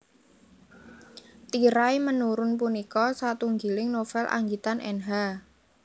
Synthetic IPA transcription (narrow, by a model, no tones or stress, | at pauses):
t̪iɾajmənuɾʊnpunikɔsat̪uŋɡilɪŋnofɛlʔa̰ŋɡit̪anʔɛ̰nɦa